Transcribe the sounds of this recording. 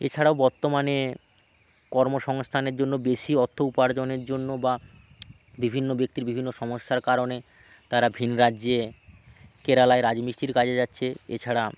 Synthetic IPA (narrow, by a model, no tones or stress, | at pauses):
et͡ɕʰaɽaobɔɾt̪omane | kɔɾmoʃɔŋst̪ʰaneɾd͡ʑonːobeʃiɔt̪ʰːoupaɾd͡ʑoneɾd͡ʑonːoba | bibʱinːobek̚t̪iɾbibʱinːoʃɔmoʃt̪ʰaɾkaɾone | t̪aɾabʱinɾaːʑe | keɾalaeɾad͡ʑmiʃʈiɾkad͡ʑʰed͡ʑatːɕʰeḛt͡ɕʰaɽa